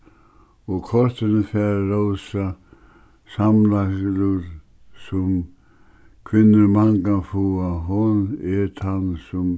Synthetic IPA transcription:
ɔɣkʰɔɾ̥t̪ɪnɪfɛɾɾowsa | samlasluɾ | sʊm | kʰvɪnːɪɾmaŋkafuaɦɔnɛɾt̪ʰansʊm

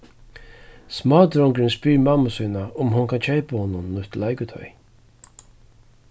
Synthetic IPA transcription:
smɑːd̪ɾɔŋkɾɪnspiːɾmamasuːnaʊmɦʊnkʰant͡ʃʰɛjpahɔːnʊnːʊht̪lajkʊt̪ʰœ̰ʏ

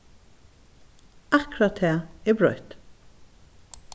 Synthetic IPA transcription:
ʔækɹɑt̪ʰeːeːbɹœʏt̪

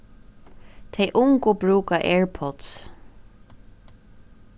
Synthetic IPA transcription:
t̪ʰejʔʊŋkʊbɹuːkaʔeːɹpʰɔt̪s

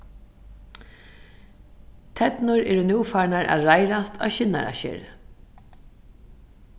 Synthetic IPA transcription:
t̪ʰɛt̪nʊɾɛːɾʊnjuːfaɳaɹʔa̰ːðɾajɾast̪ʰa̰ʃɪnːa̰ɾa̰ʃɪ̰ːɾ

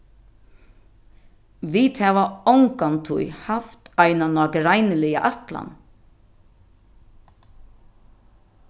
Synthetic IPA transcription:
ʋit̪hɛːʋaɔwŋkant̪ʰʊ̰jhaft̪ajnanɔːkɪɾajnɪlɪja̰ʔat̪la̰n

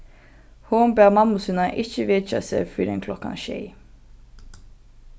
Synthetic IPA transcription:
hombæːmɑmʊsʉnɑʔɪçəʋeːt͡ʃɑ̰sḛfyɖɛnkʰlɔkɑ̰nʃḛɪ

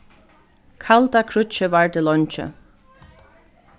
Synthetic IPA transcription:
kʰalt̪akʰɾʊt͡ʃəvaɹd̪ɪlɔɲt͡ʃɪ̰

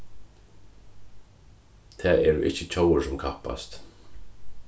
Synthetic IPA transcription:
t̪ʰɛːʔɛɹʊ̰ʔɪ̰hcːət͡ɕʰowəɹsʊmkʰahpːa̰st̪

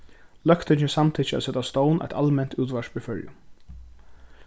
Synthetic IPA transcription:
lœkt̪ɪɪsamt̪ʰiːt͡ʃæ̰sɛt̪ːast̪ɔwnʔa̰jt̪almɛn̥t̪uːt̪ʋaʃbɪfœɹjʊ̰

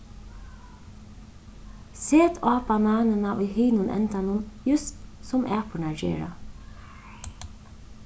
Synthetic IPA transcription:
seːt̪ʰɑːpɑmɑːnənɑʔoːhiːnʊnʔɛ̰nt̪ɑnuːnjʉst̪sɔmʔæːpʰʊɳæd͡ʒḛːɹɑ̰

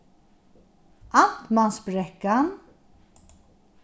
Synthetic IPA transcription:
ʔant̪mansbɾɛkːan

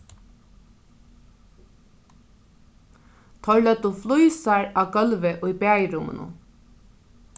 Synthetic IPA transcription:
t̪ʰɔɹlœt̪uflujsaɹaːɡœlʋəʔʊjbæːjɾʊmə̰nṵ

